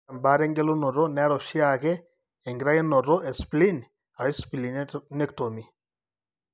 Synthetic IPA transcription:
a˨mba˦ɾɛ˦ŋɡɛ˦lɔ˦nɔ˨ɾɔ˦nɛ˦ɾɔ˨ʃi˦a˨kɛ˦ | ɛ˨ŋɡi˨ɾa˦jɛ˦nɔ˨ɾɔ˦ɛ˨spli˦n | a˨ɾɛ˦spi˨li˨nɛ˦kto˨mi˨

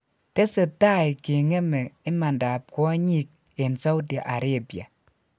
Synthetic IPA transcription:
te˦se˨ta˦jke˨ŋe˦me˨i˦ma˨nda˨p̚kɔ˦ɲi˦k̚ | e˨nsa˦wda˨ʔa˨ɾe˦˨bja̰˨

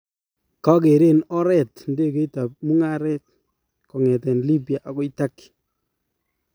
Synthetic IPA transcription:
ka˦ke˨ɾe˦nɔ˦ɾɛ˦˨tnde˦ke˦i˦ta˨p̚mu˦ŋa˦ɾɛ˦t̚ | kɔ˨ŋɛ˨tɛ˨nli˦ba˨ʔa˨ɡɔ˦i˦ta˦k

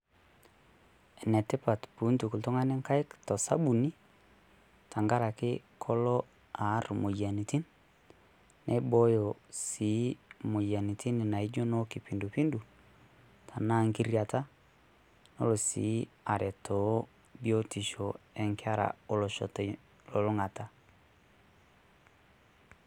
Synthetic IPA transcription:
ɛ˨nɛ˨tɪ˦pa˨tpu˨˦ntu˨ku˨ltʊ˦ŋa˦nɛ˦ŋka˦jktɔ˨sa˦bu˨ni˦ | tʰa˨ŋɡa˦ɾa˨kɪ˦kʰɔ˦lɔ˦ | a˨˦ɾmo˨ja˨ni˨ti˦n | ʔɛ̰˦bɔ˦jo˨si˨˦mo˨ja˨ni˨tʰi˦ni˨na˨i˦d͡ʒɔ˦nɔ˦ki˨pi˨ndu˨pi˦ndu˨ | tʰa˨na˦ŋɡi˦ɾja˨ta˦ | no̰˦lo˨sḭ˨˦ | a˨ɾɛ˨tʰɔ˨˦ | bjɔ˦ti˨ʃɔ˨ɛ˨ŋkɪ˦a˦ɾa̰˨o˨lɔ˨ʃɔ̰˨t | lo˨lo˦ŋa˨ta˦

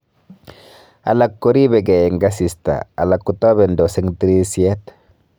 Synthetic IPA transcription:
a̰˨la˨kːo˦ɾi˦bɛ˨ɡɛ˨e˨ŋɡa˦si˨st̪a̰˨a̰˨la˨kːu˨t̪ɔ˦be˨ndo˨se˦ŋt̪i˦ɾi˦sje˦t̪

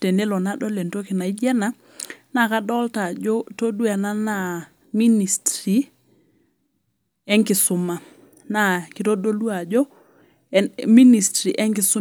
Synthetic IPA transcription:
te˨ne˦lɔ˨na˦dɔ˦le˨nto˦ki˨na˨i˦d͡ʒɛ˦na˦ | na˦˨ka˦dɔ˦lta˨d͡ʒo˦to˦du˦a˨na˦na˨ | mi˦ni˨stɾi˨ | ɛ˦ŋkɪ˨sʊ˨ma˨ | na˦˨ki˨to˦do˦lu˦a˨d͡ʒɔ˦ | mi˦ni˨stɾi˨ʔɛ˦ŋkɪ˨sʊ˦

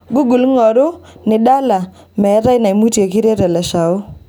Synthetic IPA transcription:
ɡu˦ɡu˨lŋɔ˨ɾʊ˦nɪ˨da˦la˨ | mɛ˨˦ɾa˦ɪ˦na˨i˨mu˦tje˨ki˦ɾe˦ɾɛ˨lɛ˨ʃa˨ʊ˦

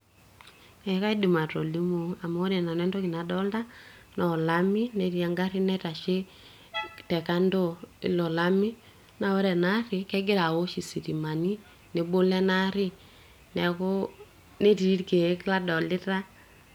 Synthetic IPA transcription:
ɛ˨˦ka˦i˦di˨ma˨to˨li˦mo˨a˨mo˦ɾe˨na˨nɛ˦ndo˦kɪ˨na˨dɔ˦lta˦ | nɔ˨la˦mi˦ne˨˦ɾi˦a˦ŋɡa˦ɾi˦nɛ˦ta˨ʃe˦ | tɛ˨ka˦ndo˦˨ḭ˨lɔ˨la˦mi˦ | na˨wɛ˦ɾɛ˨na˦ɾɪ˨kɛ˦ɡɪ˦ɾa˨wo˦ʃi˨si˨ɾi˨ma˨ni˦ | ne˨bo˦lɛ˦na˦ɾɪ˦ | nɛ˨ko˦ | ne˦ti˨˦ɾke˨˦kla˦dɔ˨lɪ˦ta˦

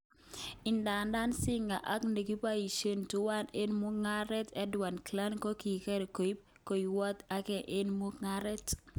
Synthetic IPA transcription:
ɪ˨nda˨nda˦nsɪ˦ŋa˨ʔa˦kne˨ɡi˦pa˦i˨ʃe˦ntu˦wa˦ne˦nmu˦kŋa˦ɾɛ˦tɛ˦dwa˨nkla˦nko˦ki˨kɛ˦ɾe˨ko˨i˦p̚ | ko˨i˨wɔ˦t̪a˦kɛ˦˨ʔe˦nmu˦kŋa˦ɾɛ˦t

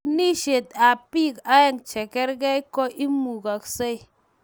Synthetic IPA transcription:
ni˦ʃe˨ta˨pi˦˨ka˦je˦˨ŋt͡ʃe˨kɛ˦ɾɡɛ˦i˦kɔ˦ʔi˦mu˨ka˨kse˦j

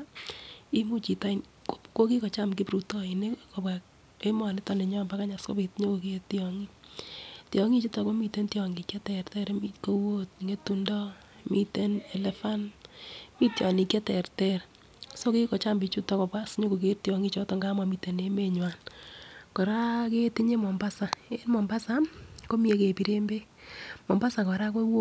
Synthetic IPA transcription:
i˦mu˦t͡ʃi˨ta˦in | kko˦ki˦kɔ˨t͡ʃa˦mk̬i˦pɾu˨tɔ˦ine˦ko˨pwa˨k̚ | e˦mɔ˨nɪ˦tɔ˨ne˨ɲɔ˦mba˦ka˦ɲa˨sko˦pi˨tɲo˦ko˨ke˦ti˦ɔŋi˦ | tjɔŋi˦t͡ʃi˦tɔ˨ko˦mi˨te˦ntjɔ˨ŋɡi˨kjɛ˦tɛ˨rtɛ˦ɾmi˦ko˦wo˦tŋe˦tu˦ndɔ˦ | mi˦te˦ne˨le˦fa˦n | mi˦tjɔ˨ni˨kje˦tɛ˨rtɛ˦ɾ | so˦ki˦kɔ˨t͡ʃa˦mbi˨t͡ʃu˦tɔ˦kɔ˨pa˦sɲo˦ko˨k̬e˦ɾtjɔ˨ŋi˦t͡ʃɔ˦to˨ŋɡa˦ma˨mi˨te˨ne˦me˨ɲwa˨n | kɔ˨ɾa˦ke˦ti˦ɲe˦mɔ˨mba˦sa˨e˦nmɔ˨mba˦sa˦ko˦mi˦e˦ke˨pi˨ɾe˦mbe˦ | mɔ˨mba˦sa˨kɔ˨ɾa˦ko˦wo˦

